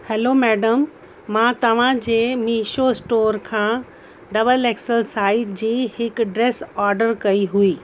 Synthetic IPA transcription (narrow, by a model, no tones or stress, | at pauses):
hɛlomɛːɖəmː | ãːt̪ɐʋ̤ãd͡ʑeːmiːʃosʈoːɾkʰãː | ɖɐbəleksəɾsaːɪd͡ʑiːhɪkɖɾeːsɔːɾɖəɾkɐiɦuiː